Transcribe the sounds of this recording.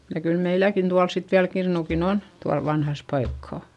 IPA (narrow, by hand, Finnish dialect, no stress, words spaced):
jɑ kyl meilækin tuɑls sit ʋiæl kirnukin on tuɑl ʋɑnhɑs pɑikːɑˑ